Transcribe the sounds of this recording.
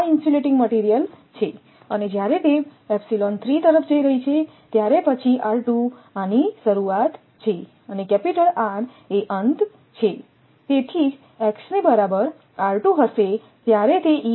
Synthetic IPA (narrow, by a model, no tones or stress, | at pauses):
insuleʈɪ̃ŋɡməʈiɾijəlt͡ʃʰe | əned͡ʒjaɾet̪eɛpsilɔnt̪ʰɾit̪əɾəfʰd͡ʒəiɾəɦit͡ʃʰe | t̪jaɾepət͡ʃʰiʔaɾʈũaniʃəɾuat̪ | t͡ʃʰe | ənekɛpiʈəɾaɾ | eʔənt̪ | t͡ʃʰe | t̪et̪ʰid͡ʒ | ɛksnebəɾabəɾ | aɾʈũɦəʃe | t̪jaɾet̪eʔi